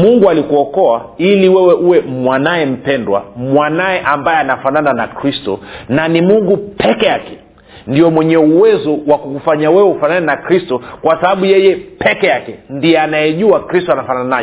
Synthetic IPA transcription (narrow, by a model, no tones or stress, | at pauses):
muŋɡualikuɔkɔailiwɛwɛʔuwɛmwanajɛm̩pɛndwa̰mwanajɛʔambajɛanafanananakɾistɔ̰nanimuŋɡupɛkɛjakɛ̥ | ndiɔmwɛɲɛuwɛzɔwakukufaɲawɛwɛufananɛnakɾistɔkwasaɓaɓujɛjɛpʰɛkɛjakɛndiɛanajɛʄuakɾistɔanafanananaj